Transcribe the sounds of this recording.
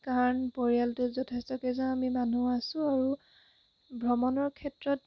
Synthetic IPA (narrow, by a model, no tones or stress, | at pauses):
kaɹnpoɹijaltʊzɔtʰestɔkɛzãamimanuasʊ̃aɹu | bʱɹɔmɔnɔɹkʰɛtɹɔt̚